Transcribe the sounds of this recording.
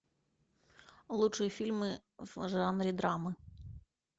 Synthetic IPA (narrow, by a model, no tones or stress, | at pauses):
lˠut͡ʂʊjifʲilʲmɪʒɑnɾʲid̪ɾɑmɪ